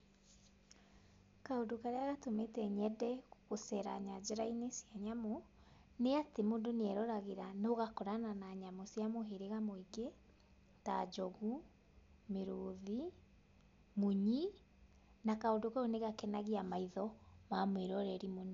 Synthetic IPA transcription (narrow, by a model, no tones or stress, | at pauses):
kaondokaɾeaɣatometɛɲɛdɛɣosɛɾa̰ɲad͡ʑɛɾainesjaɲamo | neatemoːndoneɛɾɔɾaɣeɾanoɣakɔɾananaɲamosjamoɦeɾeɣamoiɡe | ta̰d͡ʒɔɣu | meɾoːði | muɲi | nakaondokaoneɣakɛnaɣiamaiðɔmamweɾɔɾɛɾimona